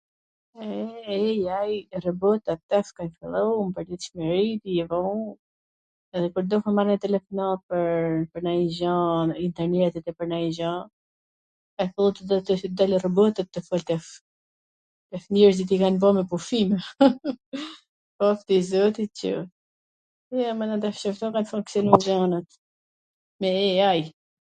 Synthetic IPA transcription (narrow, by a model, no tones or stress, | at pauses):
ɛɛjajrəbɔt̪at̪ɛfkanfilˠɔmpəɾlit̪ʃmɛɾit̪ijɛvɔ | ɛðɛkuɾd̪ɔfəmaɾnɛt̪ɛlɛfɔnapəɾpəɾnaizãint̪ɛɾnɛt̪ɛt̪ɛpəɾnaizã | kanfilˠut̪əd̪t̪d̪alrəbɔt̪ət̪ːəfɔlt̪ɛf | ɛfnɛɾsd̪it̪ikanbɔmɛpufim | pɔft̪izɔt̪icə̰ | ɛamɛnat̪ɛfʃəft̪ɔkanfuŋksjɔnuzanət̪ | mɛɛaj